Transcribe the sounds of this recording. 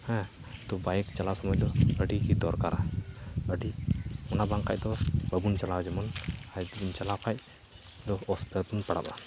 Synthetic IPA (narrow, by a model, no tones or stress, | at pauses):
hɛ̃ | t̪ɔbajkt͡ʃalasɔmɔjd̪ɔəɖikid̪ɔɾkaɾa̰əɖimɔnabaŋka̰c̚d̪ɔbəbunt͡ʃalawd͡ʒɛmɔnajd̪d͡ʒimt͡ʃalawkac̚ | d̪ɔɔspɛt̪unpaɽa̰pa̰